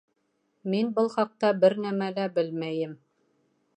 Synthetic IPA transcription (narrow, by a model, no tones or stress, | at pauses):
minbɤlˠχɑq̚t̪ɑbɘɾnæmælæbɘlmæjɘm